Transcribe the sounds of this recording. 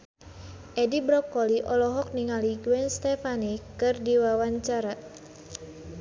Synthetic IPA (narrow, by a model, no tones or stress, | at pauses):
ʔɛdibɾɔkːoliʔɔlɔɦɔk̚niŋaliɡuwɛnst̪ɛfanikɨrdiwawaɲt͡ʃaɾa